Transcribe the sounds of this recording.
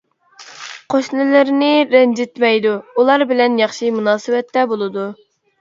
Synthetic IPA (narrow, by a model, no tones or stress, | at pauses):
qʰoʃnɪlɪɾnɪɾɛnd͡ʒɪt̪mɛjd̪uulˠɑɾbɪlɛnjɑχʃimunɑːsɨwɛt̪ːɛbolˠɨd̪u